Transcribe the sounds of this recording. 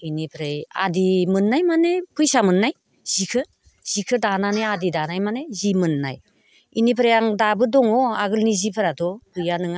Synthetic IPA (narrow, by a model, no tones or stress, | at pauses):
inipʰɾeja̰dimɯnːajmanepʰɯjsamɯnːaj | z̥ikʰɯ | z̥ikʰɯdananejadidanajmanezimɯnːa̰j | ḭnipʰɾejaŋdabɯdɔŋɔaɡɯlnizipʰɯɾadɔɡɯjanɯŋa